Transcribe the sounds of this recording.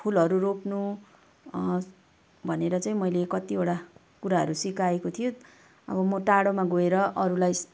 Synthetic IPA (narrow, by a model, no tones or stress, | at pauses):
pʰulɦʌɾuropnu | bʱʌneɾʌt͡sʌĩmʌjlekʌt̪ioɽa | kuɾaɦʌ̰ɾusikaekot̪ʰijo | ʌ̰bʌmoʈaɽomaɡoeɾʌʌɾulaj